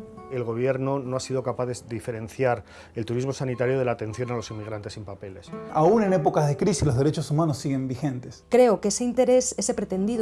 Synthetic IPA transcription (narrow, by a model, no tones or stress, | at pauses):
e̞lɣ̞o̞β̞je̞ɾno̞noasiðo̞kapaðezdife̞ɾe̞n̟θjaɾ | e̞lt̪uɾizmo̞sanit̪aɾjoð̞e̞laːt̪ẽ̞n̟θjo̞nalo̞simːiɣ̞ɾant̪esimpape̞le̞saune̞nepokazðekɾisizlozðeɾe̞t͡ʃosumãnosːiɣẽ̞mbixẽ̞nt̪eskɾe̞okeseint̪e̞ɾe̞sese̞pɾe̞t̪e̞nd̪ið